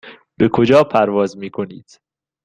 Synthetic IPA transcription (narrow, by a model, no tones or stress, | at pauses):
b̥e̞kʰod͡ʒɒːpʰæɾvɒːzmiːkʰo̞niːd̪̥